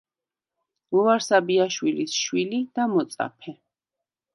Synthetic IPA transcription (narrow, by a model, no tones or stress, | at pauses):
uvaɾsabiaʃwilisʃwilid̪̥amɔt̪sʼa̰pʰɛ